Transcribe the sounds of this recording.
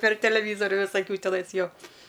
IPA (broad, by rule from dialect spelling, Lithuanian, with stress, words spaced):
pʲɛr tʲɛlʲɛˈʋʲiːzoːrʲʊ ʋʲɪsɐˈkʲuː tʲɛˈnɐɪs ˈjoː